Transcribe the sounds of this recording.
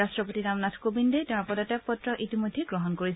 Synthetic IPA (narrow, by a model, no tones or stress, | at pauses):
astɹɔpotinamnatʰkobindɛtaɹpɔdatapɔtɹɔʔitimɔjdʱːeɡɹɔɦɔnkoɹis